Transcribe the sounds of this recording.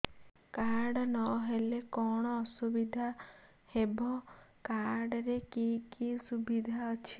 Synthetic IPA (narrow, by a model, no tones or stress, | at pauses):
kaɾɽɔnɔɦelekɔɽ̃ɔːsubid̪ʱa | hebɔkaɾɾɽɾekikisubid̪ʱaɔt͡ʃʰi̥